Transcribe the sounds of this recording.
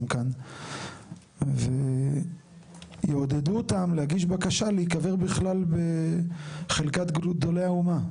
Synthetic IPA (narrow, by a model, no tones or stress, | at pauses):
mkan | ve | jeod̪ed̪uotamlehaɡiʃbakaʃaleikaveʁbiχlalbe | χelkat̪ɡd̪o̞lejhauma